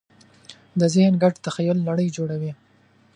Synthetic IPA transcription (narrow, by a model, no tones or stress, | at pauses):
d̪əzɪhnɡaʈt̪axajʊlːaɽəjd͡ʒoɽawi